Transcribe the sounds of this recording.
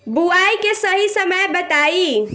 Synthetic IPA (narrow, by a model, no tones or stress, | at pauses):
buajkesəɦisəməjbət̪ai